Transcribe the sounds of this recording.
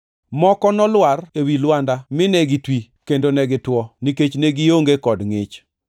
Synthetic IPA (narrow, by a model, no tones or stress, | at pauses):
mɔkɔnɔlwarewilwandamɪnɛɡɪtwi | kendonɛɡɪtwɔniket͡ʃnɛɡɪjoŋɡekɔdŋɪ̰t͡ʃ